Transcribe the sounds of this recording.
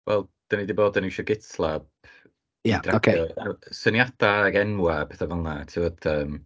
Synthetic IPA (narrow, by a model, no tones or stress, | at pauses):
wɛ̰lˠd̥ənidiboːdəniʃɔɡɪtlˠab | jadraoeɛasənjadaaɡɛnwabɛθavalˠnatʰɪɔdəːm